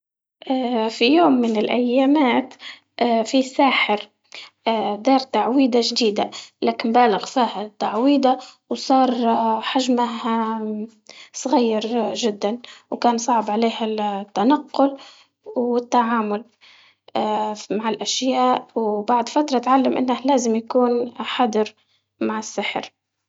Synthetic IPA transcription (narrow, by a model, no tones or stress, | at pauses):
ʔfijoːmːɪnɪlʔajːaːmaːt̪ | ʔfisaːħɪɾ | d̪ɑːɾˤt̪aʕwiːd̪aʒd̪iːd̪alaːkɪmbaːlɪɣfiːhat̪ːaʕwiːd̪a | wsˤɑːɾˤħaʒmaɦa | sˤɣajːɑɾʒɪd̪ːanwkaːnsˤɑʕbʕaleːhat̪ːanaqːʊl | wɪt̪ːaʕaːmʊl | maʕɪlʔaʃjaːʔwbaʕd̪fat̪ɾˤɑt̪ʕalːamʔɪ̰nːahlaːzɪmjakuːnħad̪ɪɾ | maʕɪsːɪħɾ